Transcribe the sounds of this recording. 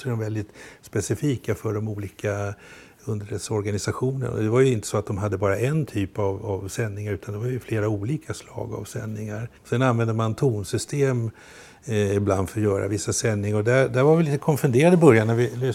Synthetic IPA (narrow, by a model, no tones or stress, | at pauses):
sɔɛd̪ɔmvɛld̪ɪt̪spɛsɪfiːkafœɖɔmuːliːka | ɵnd̪əɾɛt̪sɔɾɡanɪsaɧuːnə̰nɔ̰d̪ɛvaɾjɵɪnt̪ə̥sɔat̪̚d̪ɔmɦad̪ːəbɑːɾaʔɛnt̪ʰyːpavavsɛnːɪŋaɾʉ̟ːt̪ʰand̪ɛvaɾjɵfleːɾauːliːkʰaslɑ̰ːɡa̰vsɛnːɪŋaɾɔsɛnanvɛnd̪əmant̪ʰuːnsʏst̪ʰeːm | ɪbland̪fœɾjœːɾa̰vɪsːasɛnːɪŋaɾɔd̪æd̪æɾvaɾvɪliːt̪əkʰɔmfɵnd̪eːɾad̪əbœɾjanæɾvɪlø